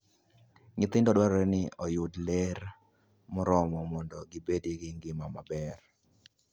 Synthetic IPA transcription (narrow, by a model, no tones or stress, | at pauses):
ŋɪt̪ɪndɔdwaɾɾɛnɪɔjʊdleɾ | mʊɾɔmɔmɔndɔɡibediɡɪŋɡɪmamabɛr